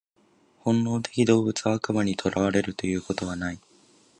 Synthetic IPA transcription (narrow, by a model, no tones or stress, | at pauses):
hõ̞nːo̞ːt̪e̞̥kʲid̪o̞ːbɯ̟t͡sɨaakɯ̟maɲ̟it̪ʰo̞ɾaβ̞aɾe̞ɾɯ̟t̪o̞jɯ̟ːko̞t̪o̞β̞anai